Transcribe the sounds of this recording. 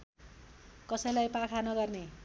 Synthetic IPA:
kʌsʌj̃lajpakʰanʌɡʌrne

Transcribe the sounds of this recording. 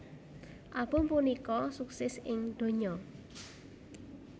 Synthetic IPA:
ʔab̥o̤mpunikɔsuksɛsɪŋd̪̥o̤ɲɔ

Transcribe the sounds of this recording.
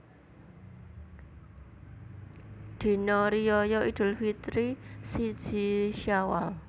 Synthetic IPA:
d̪̥i̤nɔɾijɔjɔʔid̪̥ʊ̤lfit̪ɾisid̥d͡ʒ̥iʃawal

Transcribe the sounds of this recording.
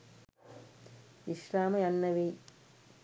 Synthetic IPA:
iʃɾaːmɐjɐnːɐʋi

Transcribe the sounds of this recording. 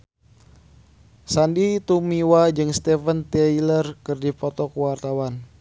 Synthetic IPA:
sandit̪umiwad͡ʒɨŋst̪ɛfənt̪ɛilərkɨrdipɔt̪ɔkəwart̪awan

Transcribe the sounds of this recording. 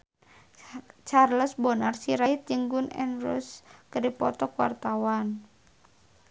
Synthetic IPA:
t͡ʃarləsbɔnarsiɾait̪̚d͡ʒɨŋɡunɛ̰nrɔ̰skədipɔt̪ɔkuwa̰rt̪awan

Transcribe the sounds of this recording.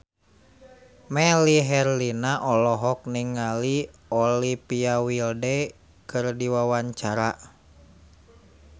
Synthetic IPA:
mɛliɦɛrlinaʔɔlɔɦɔk̚niŋali | ɔlipiawildɛ | kɨrdiwawaɲt͡ʃaɾa

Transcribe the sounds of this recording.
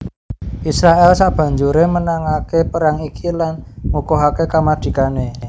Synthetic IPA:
ʔisɾaʔɛlsab̥ä̤ɲd͡ʒuɾemənaŋakepəɾaŋikilanmukɔɦakekamad̪̥i̤kane

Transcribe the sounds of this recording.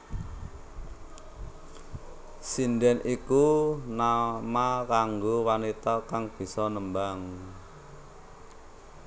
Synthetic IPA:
sindɛnikunamakaŋɡowanit̪akaŋb̥i̤sɔnəmbaŋ

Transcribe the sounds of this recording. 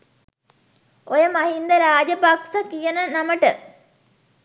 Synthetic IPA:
ojəmɐɦind̪əɾaːd͡ʒəpaksəkijənənaməʈə

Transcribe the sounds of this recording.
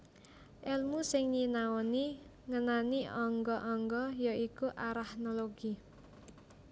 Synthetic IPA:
ʔɛlmusɪŋɲinaɔni | ŋənaniɔŋɡɔʔɔŋɡɔjɔʔikuʔaɾahnoloɡ̥i

